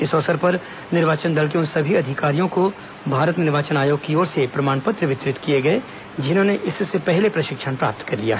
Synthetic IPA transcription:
ɪsɔːsəɾpɐɾ | nɪɾʋaːt͡ʃənd̪ɐlk̬eʊnsɐbʱiɐd̪ʱɪkaːɾijõko | bʱaːɾət̪nɪɾʋaːt͡ʃənaːjoːɡ̚kioːɾsepɾɐmaːɳpɐt̪ɾəʋɪt̪ɾɪt̪kieɡɐe | d͡ʒɪnɦõːneʔɪssepɛɦlepɾɐʃɪkʃənpɾa̰ːp̚t̪kɐɾlija̰ːɦɛ

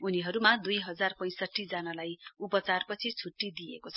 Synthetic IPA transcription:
uniɦʌɾumad̪ujɦʌd͡zarpʌj̃sʌʈʰːid͡zʌnalajupʌt͡sarpʌt͡sʰit͡sʰuʈːid̪iḛkot͡sʰʌ̥

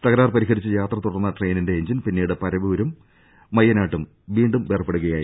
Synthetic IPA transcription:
t̪ɐɣɐɾaːrpɐɾiɦɐɾit͡ɕːɨjaːt̪rɐt̪uɽɐrnːɐʈre̞ːninde̞ːɲd͡ʑinpinːiːɽɨpɐɾɐʋioɾumː | ɐjːɐnaːʈːum | ʋiːɳɖumʋeːrɐpːeɽuɣɐjaːji

